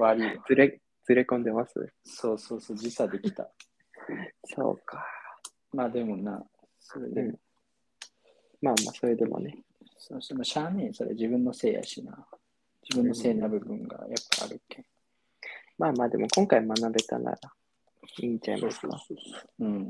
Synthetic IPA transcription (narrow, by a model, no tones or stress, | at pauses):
βaɾit͡sɨɾe | t͡sɨɾe̞kõ̞nd̪e̞masɨ̰so̞ːso̞ːsoːd͡ʑisad̪e̞kʲi̥t̪a̰ | so̞̰ːkʰḁ | maːd̪e̞mo̞na | soɾḛd̪ẽ | maːma̰ːso̞ɾe̞d̪e̞mo̞̰ne | sosonoɕaːnẽsoɾḛd͡ʑibɯ̟̃nːo̞se̞ːja̰ɕina | d͡ʑibɯ̟̃nːose̞ːnabɯ̟bɯ̟̃ŋɡa̰japːaa̰ɾɯ̟ke | maːmaːd̪e̞mʔo̞kõ̞ŋkaimanabe̞t̪a̰na̰ɾa | iːɲd͡ʑaimʔasɨ̥kaɯ̟̃